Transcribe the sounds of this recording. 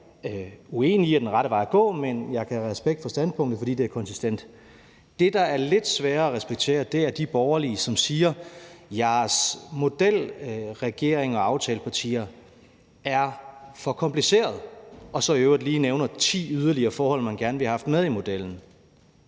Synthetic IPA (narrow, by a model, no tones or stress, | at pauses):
ue̝̰ːniæɐd̥enʁɑ̈ɾəʋɑ̈ɪæɡ̥ɔ̰̽ːmenjɑ̈ɪkʰæʁɛsb̥eɡ̥d̥fɒ̽sd̥æn̰spʰɔ̽ŋ̰d̥ð̩fɒd̥ḭːde̝æɐkʰɒ̽nsisd̥en̰d̥ | d̥e̝d̥ɑ̈æɐle̝d̥sʋæːɐæʁɛsb̥eɡ̥̚t͡sʰe̝̰ːɐd̥e̝æɐd̥ib̥ɒʊɐliəsɒ̽msiːɐjɑ̈ːsmo̝d̥el̰ʁɛɡ̥e̝ɐ̰eŋɒ̽ɑ̈ʊt͡sʰɛːləpʰɑ̈t͡sʰḭːɐ | æɐfɒ̽kʰɒ̽mpʰlise̝̰ːɐð̩ˠʔɒ̽sɒ̽iøʊɐd̥liːneʊnɐt͡sʰḭːyðˠɐliɐːfɒːhɒ̽l̰mænɡ̥æɐnʋe̝hhɑ̈fd̥með̞ˠimo̝d̥eln̩